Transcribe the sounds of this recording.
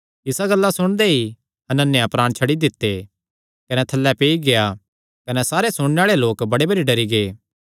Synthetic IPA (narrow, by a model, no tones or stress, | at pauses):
ɪsaɡɐlːasʊɽ̃d̪ei | ɐnɐnːjapɾaːɽ̃t͡ʃʰɐɽid̪ɪt̪ːe | kɐnɛt̪ʰɐlːɛpeːiɡeja | kɐnɛsaːɾesʊɽ̃neaːɭeloːkbɐɽebɐɾiɖɐɾiɡeː